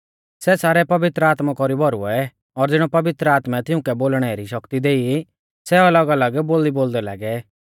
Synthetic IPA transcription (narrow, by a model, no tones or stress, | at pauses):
sɛsaːɾɛpɐʋɪt̪ɾəaːt̪makɔɾibʱɔɾṵɔɛ | ɔɾd͡zɪɽ̃ɔpɐʋɪt̪ɾəaːt̪mɛt̪ɪʊ̃kɛboːlɽ̃ɛɾiʃɐkt̪id̪eːi | sɛɐləɡɐləɡboːliboːld̪ɛla̰ːɡɛ